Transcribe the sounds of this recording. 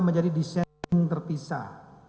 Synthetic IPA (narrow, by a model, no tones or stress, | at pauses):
məɲd͡ʒadidisɛŋt̪ərpisa̰h